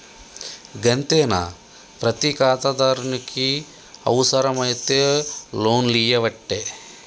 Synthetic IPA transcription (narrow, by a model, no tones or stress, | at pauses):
ɡɐnt̪eːna̰ | pɾɐt̪ikaːt̪ɐd̪aːɾuniki | ɐ̰wsɐɾɐmɐjt̪eːloːnlijɐʋɐʈːeː